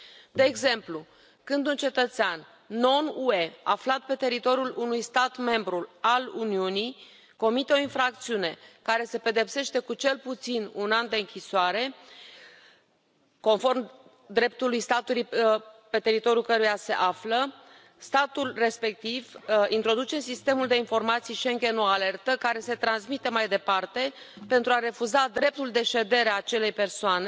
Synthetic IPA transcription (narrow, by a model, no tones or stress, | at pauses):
d̪e̞ːɡze̞mplu | kɨnd̪unt͡ʃe̞t̪ət̪seanː | o̞nue̞a̰flat̪̚pe̞t̪e̞ɾit̪o̞ɾjulʔunujst̪at̪me̞mbɾualuniunij | ko̞mit̪e̞o̞infɾak̚t̪siune̞kaɾe̞se̞pe̞d̪e̞pse̞ʃt̪e̞kut͡ʃe̞lput̪sinunand̪e̞ɨŋkʲisoaɾe̞ | ko̞nfo̞rm | d̪ɾe̞p̚t̪ulujst̪at̪ulujpe̞t̪e̞ɾit̪o̞ɾjulkəɾujase̞̰ʔaflə | st̪at̪ulre̞spe̞k̚t̪ivint̪ɾo̞d̪ut͡ʃesist̪e̞muld̪e̞info̞rmat̪sijʃe̞ŋɡʲe̞noale̞rt̪əkaɾe̞se̞t̪ɾansmit̪e̞majd̪e̞part̪e̞ | pe̞nt̪ɾuaɾe̞fuzad̪ɾe̞p̚t̪uld̪e̞ʃe̞d̪e̞ɾeaːt͡ʃe̞le̞jpe̞rsoane